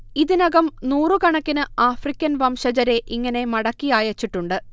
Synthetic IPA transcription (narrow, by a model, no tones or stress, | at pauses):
iðinɐɣɐmnuːrɨkɐɳɐkːinɨaːfrikʲːɐnʋɐmʂɐd͡ʑɐɾe̞ʔiŋːɐne̞mɐɽɐkːijaːjɐt͡ɕːiʈːuɳɖɨ